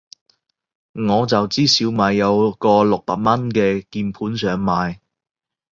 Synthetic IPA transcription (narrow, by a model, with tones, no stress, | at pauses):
ŋɔː˨˧t͡sɐ˨wt͡siː˥siː˨˧wmaː˨jːɐ˨˧wkɔː˧lʊ˨k̚pa̰ː˨k̚mɐ˥nkɛː˧kiː˧npʰuː˨˥nsœː˨˧ŋmaː˨j